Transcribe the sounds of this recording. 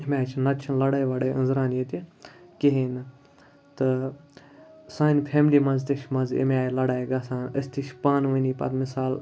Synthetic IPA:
imʲaːt͡ʃʰnɐt͡ʃʰɐnlɐɽaːjʋaːɽɐjə̰̃nzɾaːnjet̪ʲikeɦin | t̪ɨ | sãːnʲpʰeːmlimɐnzt̪iʃʲmɐnzḛmʲaːjlɐɽaːjɡasaːnə̰sʲt̪ʰiʃpaːnʋɨnʲipɐ̰t̪misaːl

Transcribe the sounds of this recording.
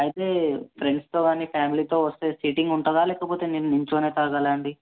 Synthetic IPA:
ɐjt̪e̞ːpʰɾeɳɖst̪o̞ːɡaːniːpʰjaːmiliːt̪o̞ːʋɐst̪e̞ːsiːʈiŋɡuɳʈɐd̪aːlɛːkɐpo̞ːt̪eːninniɲt͡ʃoːne̞ːt̪ɐːɡalɐɳɖi

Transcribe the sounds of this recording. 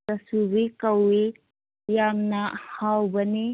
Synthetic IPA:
ɐsubikɐwi | jamnɐhawbɐni

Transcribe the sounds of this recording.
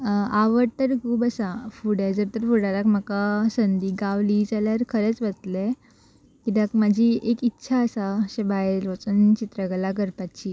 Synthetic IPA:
aʋəɾt̪əɾkʰuːbəsafuɽad͡zəɾt̪əɾfuɽalakm̤əkasənd̪iːɡaʋlid͡zaljaɾkʰəɾɛt͡sbət̪le | kid̪akmad͡ʑʱiʔekitːɕʰaəsaɕebaeɾot͡sənt͡ɕit̪ɾəɡlakəɾpat͡ɕi

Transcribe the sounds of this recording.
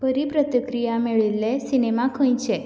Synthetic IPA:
pəɾipɾət̪əkɾijameɭilːesinemakʰə̃j̃t͡ʃʰe

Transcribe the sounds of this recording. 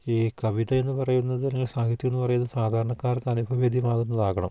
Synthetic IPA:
iːkɐʋiðɐe̞nːɨpɐrɐjunːɐðɨnɐŋːɐlsaːkʰit̪ːjkunːɨpɐrɐjunːɐsaːd̪ʱaːɾɐɳɐkːaːrkɐnubʱɐʋeːd̪ʱjɐmaːɣunːɐðaːɣɐɳɐ̰m

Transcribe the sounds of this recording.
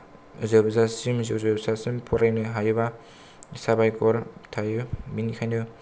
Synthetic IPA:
zɯbzasimzɯzɯbsasimpʰɔɾajnɯɦajuba | sabajkɔɾtʰajɯminikʰanɯ

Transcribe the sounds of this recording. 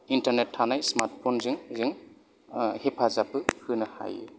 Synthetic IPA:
intaɾnetʰːanajsmaɾt̚pʰonzɯŋzɯŋ | hepʰazapɯhɯnɯha̰j

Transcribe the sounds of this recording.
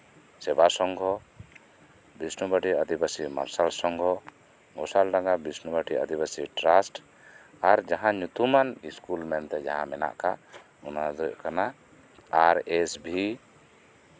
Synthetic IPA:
sɛbasɔŋɡɔ | bisnubaʈiəd̪ibasima̰ɾsalsɔŋɡʱɔ | ɡɔsalɖaŋɡabisnubaʈiə̰d̪ibasiʈɾasʈ | aɾd͡ʒaɦãɲut̪umaniskulmɛnt̪ɛd͡ʒa̰ɦã̰mɛna̰ʔka | unad̪ɔckana | aɾɛsbʱi

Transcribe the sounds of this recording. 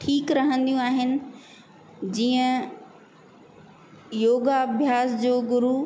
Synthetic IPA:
ʈʰiːkɾɐɦə̃nd̪ijũaːɦɪnɪ̆ | d͡ʑiːə̃ | joːɡaːbʱjaːsd͡ʑoːɡʊɾu

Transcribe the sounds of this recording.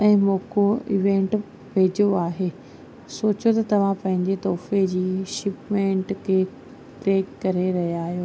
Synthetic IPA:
ɛ̃ːmoːkoɪʋẽːɳʈ | peːd͡ʑoaːɦeː | soːt͡ɕot̪ɐt̪ɐʋ̤ãpɐ̃ɦɪ̃ɲd͡ʑet̪ɔːfed͡ʑiːʃɪpmẽɳʈkʰeː | ʈɾeːkkɐɾeɾɐɦijaːɦijoː

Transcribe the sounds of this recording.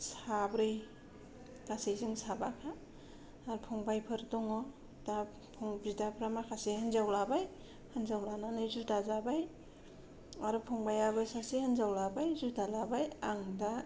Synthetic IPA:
sabɾɯj | kasejzɯŋsabakʰaː | ɾupʰɔŋbajpʰɯɾdɔŋɔ | da | pʰɔŋbidapʰɾamakʰasehɯnzawlabaj | hɯnzawlananɯjzudazabaj | aɾupʰɔŋbajaβɯsasehanzawlabajzudalabajaŋda

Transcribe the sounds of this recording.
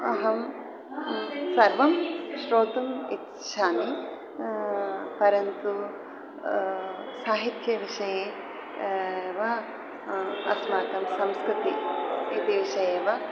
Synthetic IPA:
ɐɦɐm | sɐɾʋɐmʃɾoːt̪ɐmit̪ | ʃaːmi | pɐɾɐnt̪u | saːɦit̪jɐʋiʂɐjeː | ʋɐ | ɐ̰smaːt̪ɐmsɐmskɾɪt̪iit̪iʋiʃɐjeːʋɐ

